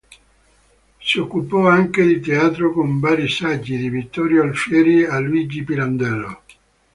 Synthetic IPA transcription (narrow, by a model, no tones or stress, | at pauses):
siokːupɔaŋked̪it̪eaːt̪ɾokoɱvaːɾisad͡ʒːid̪ivit̪ːɔɾjoalfɛːɾialːuiːd͡ʒipiɾand̪ɛlo̰